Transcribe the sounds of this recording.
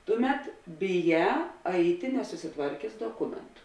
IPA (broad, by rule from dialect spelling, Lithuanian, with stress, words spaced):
ˈtʊˌmʲɛt bʲɪˈjæː ˈɐɪtʲɪ nʲɛsʊsʲɪˈtʋɐrʲkʲeːs doːˈkʊmʲɛntʊ